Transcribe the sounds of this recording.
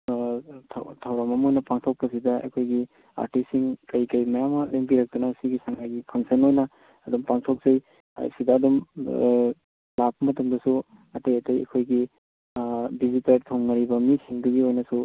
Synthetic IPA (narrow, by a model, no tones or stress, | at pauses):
tʰtʰɐwɾamɐmojnɐpaŋtʰok̚pɐs̬idɐɐ̰kʰojɡi | a̰ɾtisːiŋkɐjkɐjmɐjamɐleŋbiɾɐk̚tunɐsiɡisaŋajɡipʰɐŋsenojnɐː | dumpaŋtʰok̚z̥aj̰ | sidɐːdum | lap̚ːɐmɐtɐmdɐsu | ɐtɐjɐtɐjɐ̰kʰojɡi | bizitɐɾtʰoŋːɐɾibɐmisiŋdɐɡiojnɐsu